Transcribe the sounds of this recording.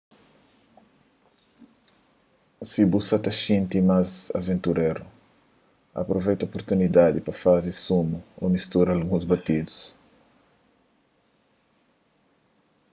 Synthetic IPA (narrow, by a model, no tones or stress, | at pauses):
sibusɐt̪ɐʃĩnt̪imazɐ̰vẽnt̪uɾeɾu | ɐ̰pɾovejt̪ɐopoɾt̪unid̪ad̪ipɾɐfazɪsumuo̰mist̪uɾalɡũzbɐt̪id̪us